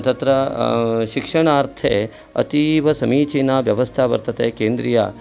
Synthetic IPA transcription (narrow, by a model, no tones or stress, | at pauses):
t̪ɐt̪ɾɐʃikʂɐɳ̃aːɾt̪ʰeː | ɐ̰t̪iʋɐsɐmiːt͡ʃiːnaːʋjɐʋɐst̪ʰaːʋɐ̰ɾt̪ɐt̪eːkeːnd̪ɾija̰ː